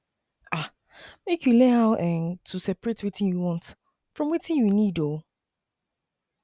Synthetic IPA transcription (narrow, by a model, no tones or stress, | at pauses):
a | mekʰjulɛaʊʔɛ̃ntʰusɛpəɹetwitɪ̃njuwɔ̃nt | fɹɔ̃mwitĩnjunido